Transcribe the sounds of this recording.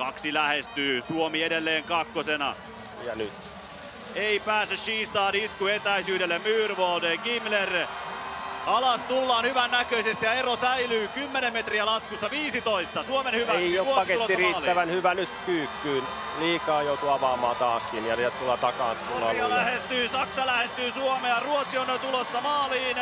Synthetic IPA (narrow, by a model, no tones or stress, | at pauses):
kɑksilæhest̪yːsuomiedelːeːŋkɑkːosenɑ̰ | jɑnyt̪ | eipæːsːysʃiːst̪ɑːniskuet̪æisyːɾelːemmyːrʋoːdeːŋkimler | ɑlɑst̪ulːɑːnhyʋænːækøisest̪ijɑerosæilyːkymːenemmet̪riælɑskusːɑʋiːsit̪oist̪ɑsuomenhyʋæeouotpɑsket̪ulosːiɑriːtːliæʋænhyʋænyt̪kyːkːyːn | liːkɑːjout̪uɑʋɑːmɑ̰ːt̪ɑːskinjɑæt̪ulːɑt̪ɑkɑ̰ːnt̪ulːɑ̰jɑlæhest̪yːsɑksɑlæhest̪yːsuomeɑruot̪siont̪ulosːɑmɑːliːn